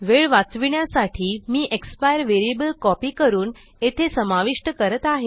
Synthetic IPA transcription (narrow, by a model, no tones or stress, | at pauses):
ʋeɭʋat͡sʋiɳjasaʈʰiːmiːʔekspajəɾʋeɾiebəlkɔpiːkəɾuːn | et̪ʰesəmaʋiʂʈəkəɾət̪aɦe